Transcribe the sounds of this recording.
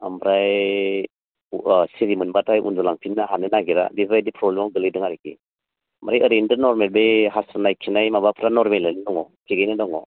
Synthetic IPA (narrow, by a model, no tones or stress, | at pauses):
amɾaj | siɾimɯnbatʰajʔṵnzɔlaŋpʰinːaɦanɯnaɡiɾa̰disɾajdipʰɾɔblemawɡɯlɯjdɯŋaɾikḭ | mɾajəɾendɯɾnɔɾmelbeɦasanajkʰːinajmabapʰɾanɔɾmelajnɯdɔŋɔtʰiɡajnɯdɔŋɔ